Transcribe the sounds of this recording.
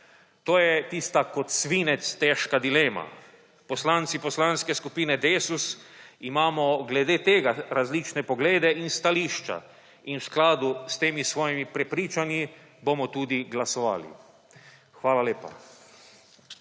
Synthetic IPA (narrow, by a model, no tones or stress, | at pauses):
t̪oːjɛt̪iːst̪akɔt̪sʋiːnɛt̪st̪ɛʃkad̪ileːma̰ | pɔslant̪sipɔslanskɛskupiːnɛd̪eːsusimaːmɔɡlɛd̪eːt̪eːɡaɾazliːt͡ʃnɛpɔɡleːd̪ɛʔinst̪aliːʃt͡ʃa̰ | inwsklaːd̪ust̪eːmisʋɔːjimipɾɛpɾiːt͡ʃanji | bomɔt̪uːd̪iɡlasɔʋa̰ːlḭ | xʋaːlaleːpa̰